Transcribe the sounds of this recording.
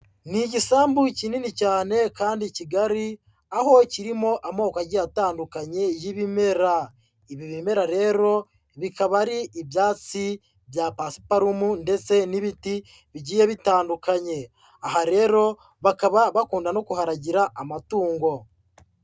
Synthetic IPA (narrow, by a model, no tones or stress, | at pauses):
niɟisaːmbucininicaːne̞kaːndiciɡaɾi | aho̞ciɾimo̞ʔamoːkaɟijataːndukaɲe̞jiβime̞ɾa | iβiβime̞ɾaɾe̞ːɾo̞ | βikaβaɾiːβjaːt͡si | βjapasi̥paɾumunde̞t͡se̞niβiti | βiɟiːjeβitaːndukaɲe̞ | aɦaɾe̞ɾo̞ | βakaβaβakuːndano̞kuɦaɾaɟiɾaʔamatuːŋɡo̞